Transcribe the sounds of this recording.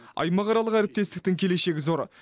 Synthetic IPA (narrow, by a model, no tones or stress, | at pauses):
ɑ̰jmɑʁɑɾɑlˠəqæɾɪp̚t̪e̞st̪ɪ̥k̚t̪ɪŋkʲʰe̞le̞ʃe̞ɡʲɪzo̞ɾə